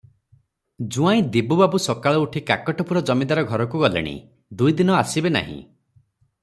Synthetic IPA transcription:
d͡ʒuaĩd̪ibubabusɔkaɭɔuʈʰikakɔʈɔpuɾɔd͡ʒɔmid̪aɾɔɡʱɔɾɔkuɡɔlḛɽ̃ḭ | d̪ujd̪inɔasibena̰ɦḭ̃

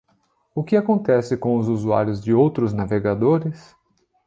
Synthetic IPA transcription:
ʊkɪakõnt̪ɛsɪkõʊzuzua̰ɾjʊzd͡ʒɪowt̪ɾʊznaveɡad̪oɾɪs

